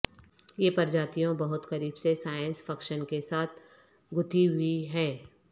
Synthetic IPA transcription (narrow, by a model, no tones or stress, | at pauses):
jeːpɐɾd͡ʒaːt̪ijõbɐɦʊt̪kɐɾiːbsesaːjə̃nsfʰɐkʃənkesaːt̪̚ʰ | ɡʊt̪ʰiɦʊiɦɛ̃ː